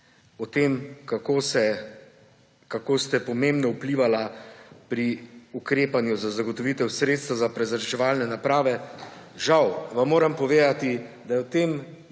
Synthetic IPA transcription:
ɔt̪eːmkakosɛ | kakoːst̪ɛpɔmẽmbnɔupliːʋalapɾiukɾeːpanjuzazaɡɔt̪ɔʋiːt̪ɛwsɾeːt̪st̪ʋazapɾɛzaɾt͡ʃɛʋaːlnɛnapɾaːʋɛ | ʒawʋamːoːɾɛmpɔʋeːd̪at̪id̪ajɛwt̪eːm

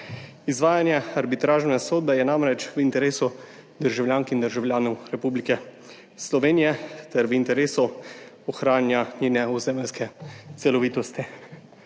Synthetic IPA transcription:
izʋaːjanjɛaɾbit̪ɾaːʒnɛsoːd̪̚bɛjɛnamɾɛt͡ʃʋint̪ɛɾeːsu | d̪əɾʒawljaːŋkind̪əɾʒawlʲjaːnɔwɾɛpuːblikɛ | slɔʋeːnijɛt̪ɛɾʋint̪ɛɾeːsu | ɔxɾaːnjaɲeːnɛuzeːmɛlskɛt̪sɛlɔʋiːt̪ɔst̪i

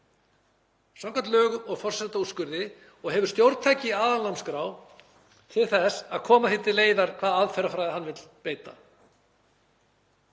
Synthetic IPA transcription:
sawŋkant̪lœːɣʏɔɣfɔr̥sɛt̪auskʏɾðɪ | ɔɣɦɛvʏɾ̥st̪jowɾt̪t̪ʰaːjcɪaːðanlamskɾaːw | t̪ʰɪðθɛsaðkʰɔːmaθɪt̪ːɪleːjðaɾ̥kʰvaːðaaðfɛɾafɾajðɪhanːvɪt̪l̥peːjt̪a̰

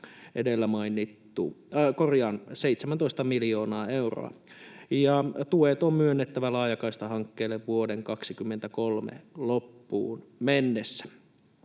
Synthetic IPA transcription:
ʔedelːæmɑinːit̪ːṵkorjɑnseit̪semænt̪oist̪ɑmiljoːnɑːeuro̰ɑ̰jɑt̪uet̪ommyønːet̪ːæʋælɑːjɑkɑist̪ɑɦɑŋkːeːlːeʋʋuodeŋkɑksikymːent̪ækolmḛlopːṵːnmenːesːæ̥

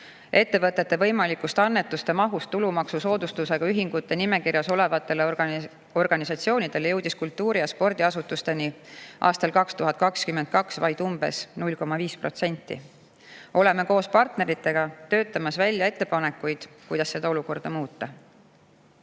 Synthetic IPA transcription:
e̞t̪ːe̞vɤt̪ːˑe̞t̪ːe̞vɤ̞jmɑlikust̪eɑnːe̞t̪ːˑust̪e̞mɑɦust̪ːulumɑksuso̞ːd̪ust̪use̞ɡ̥ɑyɦiŋɡ̥ut̪ːe̞nime̞kirjɑso̞le̞vɑt̪ːˑe̞le | o̞rɡ̥ɑnisɑt̪sio̞ːnid̪̥e̞lje̞wd̪iskult̪ːuːɾijɑspo̞rd̪iɑsut̪ːˑust̪e̞niʔɑ̰ːst̪ɑlkɑkst̪uɦɑt̪̚kɑkskymend̪̚kɑksvɑjd̪̥umb̥e̞̰snulʲko̞mɑviːspro̞t̪se̞nʲt̪ːˑḭ | o̞le̞meko̞ːspɑrt̪ne̞ɾit̪ːˑe̞ɡ̥ɑt̪ø̞ːt̪ːˑɑmɑsvælʲjɑe̞t̪ːe̞pɑne̞kːˑujd̪̥kujd̪̥ɑsːe̞d̪ɑo̞luko̞rd̪̥ɑmuːt̪ːˑɑ

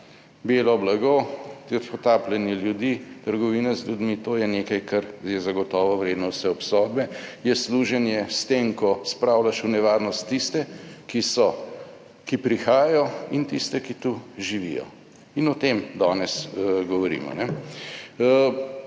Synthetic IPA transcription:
beːlɔblaɡot̪ipɔt̪aːplɛniljud̪it̪əɾɡɔʋiːnazljud̪mit̪oːjɛnekajkaɾjɛzaɡɔt̪ɔːʋɔʋɾeːd̪nɔwsɛɔpsɔd̪̚bɛjɛsluʒɛnjɛst̪emkɔspɾawlaʃunɛʋaɾnɔst̪ːist̪ɛkisɔ | kipɾixaːjajɔint̪ist̪ɛkit̪uʒiʋḭːjɔ̰ | inɔt̪emd̪aːnɛsɡɔʋɔɾḭːmɔ̰nɛ

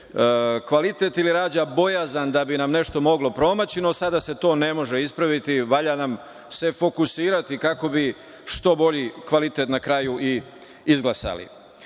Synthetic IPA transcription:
kʋalit̪e̞t̪iliɾaːd͡ʑabo̞jazand̪abinamne̞ʃt̪o̞mo̞ɡlo̞pɾo̞mat͡ɕino̞sad̪ase̞t̪o̞ːne̞mo̞ʒeispɾaʋit̪iʋaʎanam | se̞fo̞kusiːɾat̪ikako̞bi | ʃt̪o̞bo̞ʎikʋalit̪e̞t̪nakɾaːjuʔi | izɡlˠasa̰lḭ

